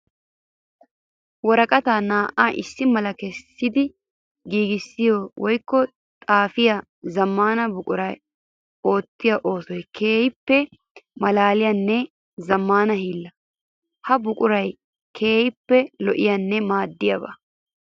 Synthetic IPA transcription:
wɔɾɐkʼɐt̪aːnaːʔaːʔɪsːɪmɐlɐkɛsːɪd̪ɪ | ɡiːɡɪsːɪjowʔɔjkːɔ | t̪ʼaːfɪjɐ | zɐmːaːnɐbʊkʼʊɾɐj | o̞ːt̪ːɪjɐʔo̞ːsɔjkʰeːhɪpːɛ | mɐlaːlɪjɐnːɛ | zɐmːaːnɐhiːlːɐ | hɐbʊkʼʊɾɐj | kʰe̞ːhɪpːɛlɔʔɪ̰jɐnːɛmaːd̪ːɪjɐbɐ̰

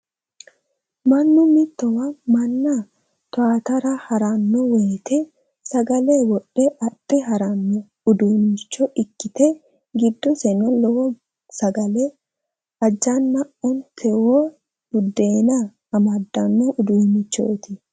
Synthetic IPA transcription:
mɐnːʊmɪt̪ːɔwɐmɐnːɐ | t̪ʊaːt̪ɐɾɐhɐɾɐnːɔweːt̪ɛ | sɐɡɐlewɔɗːɛʔɐtʼːɪɦɐɾɐnːɔ | ʊd̪uːmɪt͡ʃːɔʔɪkːɪt̪ɛ | ɡɪd̪ːɔsɛnɔlɔwɔ | sɐɡɐlɛ | ɐd͡ʒːanːɐʔɔnt̪ʰɛwoː | dʊd̪ːeːnɐː | mɐd̪ːɐnːɔʔʊd̪uːmɪt͡ʃːo̰ːt̪ɪ

